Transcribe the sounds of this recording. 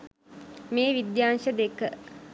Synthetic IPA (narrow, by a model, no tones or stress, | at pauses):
meːʋid̪jaːnʃəd̪ekə